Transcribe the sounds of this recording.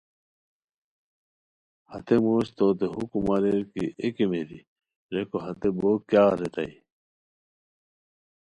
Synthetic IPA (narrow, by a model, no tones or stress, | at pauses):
hɐt̪emoːɕt̪oːt̪eɦukumɐɾeɾkḭʔekemeɾi | ɾekoɦɐt̪eboːkjaːɾet̪ɐi